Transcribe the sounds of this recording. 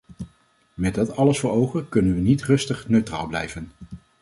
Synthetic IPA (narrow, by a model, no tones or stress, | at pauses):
mɛd̚dɑtɑləsfʊːɹowχəkɵnənʋənitrɵstəχnøɥtra̰ːlˠblɛ̰jvən